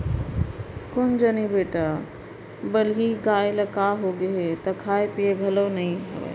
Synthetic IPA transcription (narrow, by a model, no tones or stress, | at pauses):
kond͡ʒənibeʈa | bəliɡajləkaɦoɡeɦet̪ɔkʰajpieɡʱəlonəɦĩɦə̰ɛ̰